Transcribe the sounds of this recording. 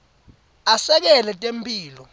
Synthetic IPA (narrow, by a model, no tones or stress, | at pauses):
asɛk̬ɛlɛtʼempʼiːlɔ